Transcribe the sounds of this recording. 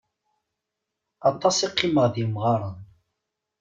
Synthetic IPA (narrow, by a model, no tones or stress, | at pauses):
ɑt̪ˤːɑsˤiqːiməʁðjəmʁɑɾˤɑn